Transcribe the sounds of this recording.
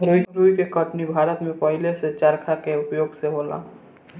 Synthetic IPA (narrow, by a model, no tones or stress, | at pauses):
ɾuːiɾuːikekəʈnibʱaːɾət̪mẽpəɦɪleset͡ʃəɾkʰakeʊpjoːɡseɦoːla̰ː